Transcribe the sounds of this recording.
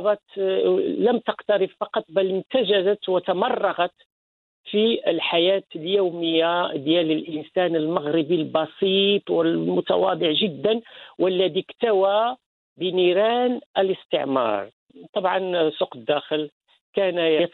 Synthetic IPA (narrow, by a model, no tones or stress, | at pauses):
bɑt̪ | ləmt̪əqt̪ɑɾəffɑqɑt̪ˤbæləmt̪æʒæzət̪wət̪ɑmɑrˤːɑɣɑt̪ | fiʔəlħajæt̪əljuwməjːad̪jæləlʔənsænəlmɑɣɾəbilbɑsiːt̪ˤwəlmʊt̪ɑ̰wɑ̰d̪ˤəʕʒəd̪ːənwəlːæd̪ikt̪æwa | bəniɾænʔələst̪ə̰ʕmɑ̰ɾˤ | t̪ˤɑbʕɑ̰nsuqəd̪ːæxəl | kænj